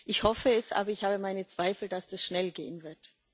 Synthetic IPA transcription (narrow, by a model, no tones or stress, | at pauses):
ʔɪçhɔfəɛsʔa̰ːbɐɪçhaːbəmaɪnət͡sv̥aɪfl̩d̥asd̥asʃnɛlɡḛːənvɪɐt